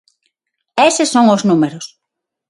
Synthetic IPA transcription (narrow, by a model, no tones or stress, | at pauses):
esɪsːoŋʊznumeɾʊs